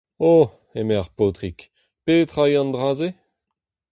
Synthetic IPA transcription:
o | emeʁpoːt̪ʁik | pet̪χajɑ̃nd̪ʁaːze

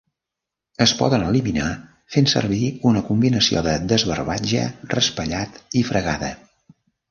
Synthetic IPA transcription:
əspɔ̰ðənəlimina | fensə̰rβ̞iunəkumbinəsio̰ðəðəzβərβad͡ʒə̰rəspəʎat̪ifɾəɣaðə

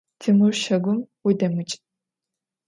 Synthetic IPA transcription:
tʰɨmɨrʃɐɡʷʊmwidɐmɨt͡ʃʼ

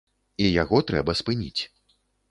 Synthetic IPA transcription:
ijaɣɔt̪ɾɛ̰bɐspɨnʲit͡sʲ

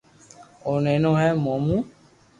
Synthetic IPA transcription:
onɛ̃nɔ̃ɦɛmɔ̃mũ

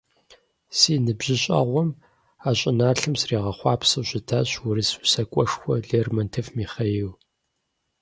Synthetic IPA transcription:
siːnɨbʑɪɕʼɐ̰ʁʷɔm | aːɕʼɪnaːɬɨmsriːʁɐχʷɑːpsɐɕɪtʰaːɕwʊɾɨsusɐkʷʼɔʂxʷɔɮeːrmɐntʰɐfmiːχɐjiw

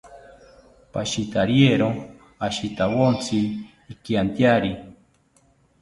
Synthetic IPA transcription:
paʃit̪aɾjeɾo | aʃit̪awont͡sʰiː | kiant̪jaɾi

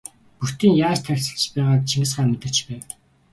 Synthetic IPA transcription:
puxt̪iːŋjaːt͡ɕt̪ʰæɾʲsə̆ɬt͡ɕpæːʁaːkt͡ɕʰiŋɘ̆sχæːmet̪ɘ̆rt͡ɕpæːw

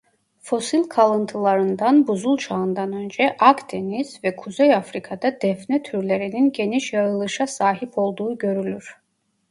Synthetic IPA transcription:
fo̞silʲkʰalˠɯnt̪ʰɯlˠaɾɯnd̪anbuzulˠt͡ʃʰaɯnd̪anø̞nd͡ʒɛʔakd̪ʰe̞niz̥vɛkʰuzejafɾikʰad̪ad̪̥ɛfnɛt̪ʰyɾlʲe̞ɾininɟe̞niʃjaɾɯlˠɯʃasaːɦipʰo̞lˠd̪uːɟø̞ɾylʲyɾ̥

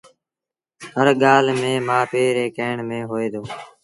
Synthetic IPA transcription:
həɾɠaːlmẽːmãːpeːɾeːkeːɳmẽːɦoːeːd̪oː

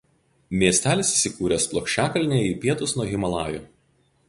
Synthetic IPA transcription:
mʲiɛsʲt̪ʲæːlʲɪsɪsʲɪkuːɾʲeːsplˠɔːkʃʲt͡ʃʲæːkɐlʲnʲeːiːpʲiɛt̪ʊsnuɔɣʲɪmɐlˠɑːjoː

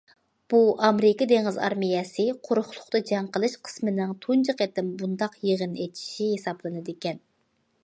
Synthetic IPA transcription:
b̥uʔɑmɾɪkɑd̪eŋɪzɑ̰ɾmijɛsɨqʰʊɾχlˠʰʊχt̪ɨd͡ʒɑŋqəlˠɨʃqʰə̥smɪnɪŋt̪ʰunt͡ʃʰɨqet̪ɪmbund̪ɑqjeʁənet͡ʃ̪ʰi̥ʃihesɑblˠɨnɨd̪ɪkʲɛn

